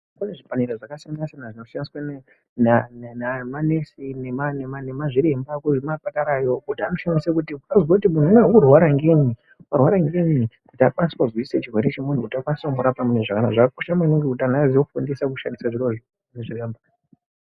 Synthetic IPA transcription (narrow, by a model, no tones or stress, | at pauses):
pane̞ʐipaniɾaʐakasiamasanaʐinoaniswane | nanenamanesinemanemanemaʐiɾe̞mbakuʐimapakaɾajokutanoʃanisekutiukazwakutimun̤umweukurwaɾaŋɡe̞ɲi | karwaɾaŋɡeɲikutakwanisi̥wazwiset͡ʃirwe̞ɾe̞t͡ʃemun̤ukutakwanisakumoɾapamuneʐakanaʐakkoʃamainoŋɡekutanazijofundisakuʃandisaʐiroʐ | eʐiremba